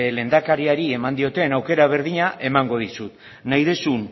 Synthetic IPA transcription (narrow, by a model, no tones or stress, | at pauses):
le̞nd̪akaɾiaɾie̞mand̪io̞t̪e̞nawke̞ɾaβ̞e̞ɾðiɲaʔe̞maŋɡo̞ð̞isut̪ | najðesun